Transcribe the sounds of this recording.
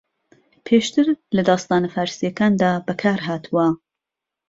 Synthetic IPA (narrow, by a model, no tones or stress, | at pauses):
pʰeːʃt̪ɨɾlɐd̪ɑːst̪ɑːnɐfaːɾsijɐkaːnd̪aːbɐkʰaːɾɦaːt̪ʰuwɐ